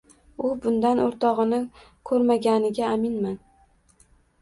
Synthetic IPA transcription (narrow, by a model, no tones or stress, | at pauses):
ʊbʊnd̪anʔoɾt̪ʰɒʁɨnɪ | kʰɵɾmaɡʲanɪɡʲaːmɪnman